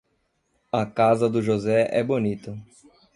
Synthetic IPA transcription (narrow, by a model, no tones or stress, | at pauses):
ɐkazɐd̪ʊʒozɛʔɛ̰bonit̪ɐ